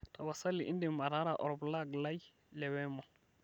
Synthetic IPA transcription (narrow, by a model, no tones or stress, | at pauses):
tɔwasalːiʔḭndimaɾaɾaʔɔɾblaɡlaj | lɛwɛmɔ